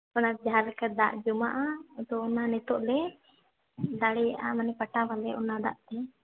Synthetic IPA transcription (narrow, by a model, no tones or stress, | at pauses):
ɔnad͡ʒaɦalkad̪a̰ʔd͡ʒumaʔad̪ɔːnanɛt̪ɔʔlɛ | d̪aɽɛaʔa̰manɛpaʈawalɛʔɔ̰nad̪aʔt̪ɛ